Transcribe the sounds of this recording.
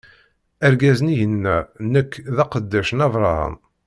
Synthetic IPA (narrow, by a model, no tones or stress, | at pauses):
æɾɡæzənijənːænəkːðɑqəd̪ːæʃənɑvɾˤɑ̰ɾə̰n